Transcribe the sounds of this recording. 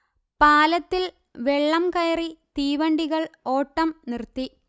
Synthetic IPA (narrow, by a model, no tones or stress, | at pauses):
paːlɐt̪ːil | ʋe̞ɭːɐmkɐjɐrit̪iːʋɐɳɖiɣɐɭo̞ːʈːɐmnirt̪ːi